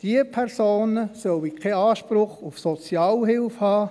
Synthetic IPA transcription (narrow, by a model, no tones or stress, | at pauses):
d̥iəpʰɛɾsoːnəsœwikʰɛɑːʃpɾʊχufsɔt͡sjɑːlɦɪlfhɑː